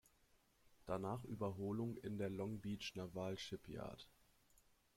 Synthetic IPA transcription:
d̥anaːχʔyːbɐɦoːlʊŋɪ̰ndeːɐlɔŋbiːt͡ʃnavaːlʃɪpja̰ːɐt

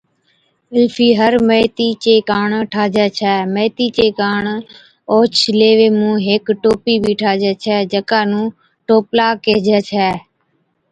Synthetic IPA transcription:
ɪlfʰiːɦəɾmeːt̪iːt͡ʃeːkaːɳʈʰaːd͡ʒɛːt͡ʃʰɛːmeːt̪iːt͡ʃeːkaːɳ | oːt͡ʃʰleːʋeːmũːɦekʈoːpiːbiːʈʰaːd͡ʒɛːt͡ʃʰɛːd͡ʒəkaːnũː | ʈoːplaːkeːd͡ʒɛːt͡ʃʰɛː

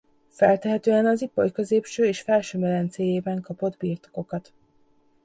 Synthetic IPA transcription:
fɛlt̪ɛɦɛt̪øːɛnɒziporkø̞zeːpʃøːeːʃfɛlʃøːmɛlɛnt̪seːjeːbɛŋkɒpo̞d̪biːrt̪o̥ko̞kɒt̪

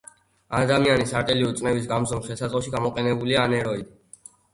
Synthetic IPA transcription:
ad̪amianisaɾt̪ʼɛliut̪sʼnɛvis̬ɡamzɔmχɛlsat̪sʼɔʃiɡamɔqʼɛnɛbulianɛɾɔid̪i

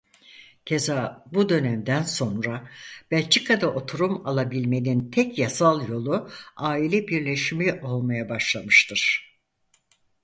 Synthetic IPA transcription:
cʰe̞zaːbud̪ø̞næmd̪ænso̞nɾab̥æt͡ʃʰikʰad̪aʔo̞t̪ʰuɾumalˠabilʲme̞nint̪ʰɛkjasalˠjo̞lˠuaːilʲɛbiɾlʲe̞ʃimiʔo̞lˠmajabaʃlˠamɯʃt̪ʰɯɾ̥

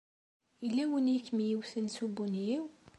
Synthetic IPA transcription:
ilːæwənkːmijiwθənsubunjiw

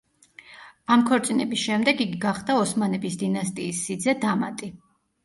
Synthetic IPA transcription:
amkʰɔɾt̪sʼinɛbisʃɛmd̪ɛɡiɡiɡaχd̪aɔsmanɛbisd̪inast̪ʼiːsːid̪zɛd̪ama̰t̪ʼi

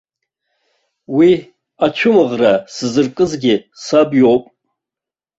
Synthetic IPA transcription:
wi | at͡ʃʷʰʊmɨʁrasɨzɨrkʼɨzɡʲɪsabjo̞wpʼ

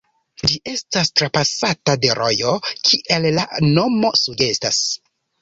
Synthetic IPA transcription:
d͡ʒiʔe̞stastɾapasatade̞ɾʔo̞jo̞kʰiʔe̞llano̞mo̞suɡe̞stas

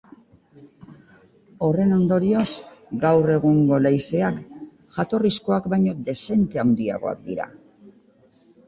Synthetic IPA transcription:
o̞re̞no̞nd̪o̞ɾio̞sɡawre̞ɣ̞uŋɡo̞lajse̞ak | ʝat̪o̞risko̞akbajɲo̞d̪e̞se̞nt̪e̞awnd̪ia̰ɣo̞̰a̰k̚d̪iɾa̰

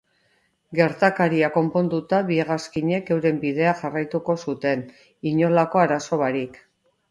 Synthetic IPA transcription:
ɡe̞ɾt̪akaɾiako̞mpo̞nd̪ut̪aβieɣ̞askiɲe̞ke̞wɾe̞mbið̞e̞axarajt̪uko̞sut̪e̞n | iɲo̞lako̞aɾaso̞βaɾik

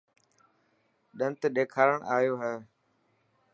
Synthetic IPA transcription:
ɗə̃nt̪ɗ̪eːkʰaːɾəɽɳ̃ʔaːjoːɦɛː

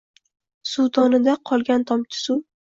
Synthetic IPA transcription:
sut̪ʰɒnɪd̪aqʰɒlˠɡʲant̪ʰɒmkʲʰɪ̥su

